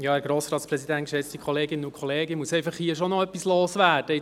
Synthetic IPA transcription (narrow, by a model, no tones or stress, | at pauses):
jɑːæɾɡɾoːsɾɑːtsprɛsidæntkʃɛt͡stikʰχɔleːɡɪnənʊkʰχɔleːɡəmuəsɛɪfɑχhiəʃonɔœpːisloːsʋæːd̥əɪ